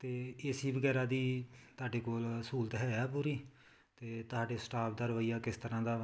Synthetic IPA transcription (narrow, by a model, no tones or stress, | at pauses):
t̪eːɪsiːʋəɡɛːɾaːd̪iːt̪ʊaːɖeːkoːlsuːlt̪ɦɛːaːp̬uːɾiː | t̪eːt̪ʊɦaːɖeːsʈaːpd̪əɾʋəiːjaːkɪst̪əɾãːd̪aː